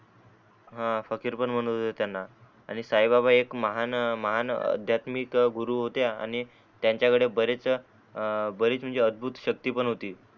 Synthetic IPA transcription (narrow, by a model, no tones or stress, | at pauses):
ɦãfəkiːɾpəɳm̤əɽ̃ɦot̪ət̪janːa | a̰ɽ̃isajbabaekməɦanməɦanə̰d̪ʱjat̪mikɡuɾuːɦot̪jaa̰ɽ̃i | t̪jaɲt͡ɕjakəɽebəɾet͡s | bəɾiːt͡sm̤əɳnd͡zeəd̪̚bʱut̪ɕək̚t̪iːpəɳɦot̪iː